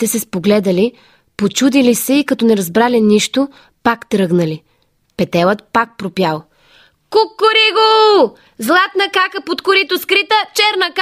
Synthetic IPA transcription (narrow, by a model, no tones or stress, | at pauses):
t̪ɛsɛspoɡlɛd̪əli | pot͡ʃud̪ilisɛikɐt̪ɔnɛɾɐzbɾaliniʃt̪o | pakt̪ɾɤɡnəli | pɛt̪ɛlˠət̪̚pak̚pɾopjalˠ | kukːʊɾiɡo | zlˠat̪nɐkakəpot̪kʊɾit̪oskɾit̪ət͡ʃɛɾnək